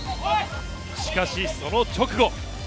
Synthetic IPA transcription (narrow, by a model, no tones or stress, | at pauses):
ɕi̥kaɕiso̞not͡ɕo̞kɯ̟ɡo̞